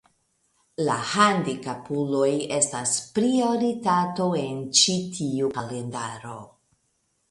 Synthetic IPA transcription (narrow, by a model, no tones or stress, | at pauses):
la̰handikapulo̞je̞staspɾio̞ɾitato̞e̞nt͡ʃitʰiukale̞ndaɾo̞̰